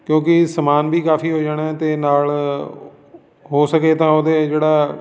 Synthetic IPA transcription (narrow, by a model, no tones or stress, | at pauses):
kjõːkɪsəmaːnbiːkaːfiːɦoːd͡ʒaːɽ̃eːt̪eːnaːl | ɦoːsəkeːt̪ãːoːd̪eːd͡ʒeːɽaː